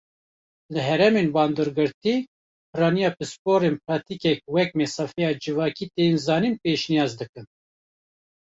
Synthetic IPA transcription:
lɨɦɛɾɛmeːnbɑːnd̪ɨɾɡɨɾt̪iː | pʰɨɾɑːnijɑːpɨspoːɾeːnpʰɾɑːt̪ikɛk̚wɛk̚mɛsɑfɛjɑːd͡ʒɨvɑːkiːt̪enzɑːniːnpeːʃnijɑːzd̪ɨkɨn

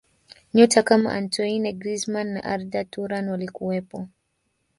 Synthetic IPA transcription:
ɲɔtʰakama̰ʔa̰ntʰɔinɛɡɾizmanːa̰ʔaɾdatuɾanwalikuwɛpɔ

